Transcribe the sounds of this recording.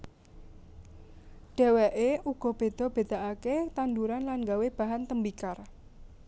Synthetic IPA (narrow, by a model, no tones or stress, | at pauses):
ɖ̥ɛ̤wɛʔeʔuɡ̥ɔ̤b̥e̤d̪̥ɔ̤b̥e̤d̪̥a̤ʔaket̪and̪uɾanlanŋɡaweb̥ä̤ɦant̪əmbikar